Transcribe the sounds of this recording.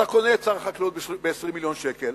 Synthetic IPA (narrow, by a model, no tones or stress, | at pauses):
akonett͡saʁaχakliut̪bebeːsʁimːiljo̞nʃekel